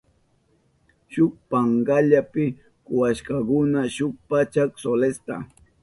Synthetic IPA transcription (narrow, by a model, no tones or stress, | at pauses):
ʃʊk̚paŋɢaʎapɪ | kʊwaʃkakʊnaʃʊk̚pat͡ʃaksolest̪a̰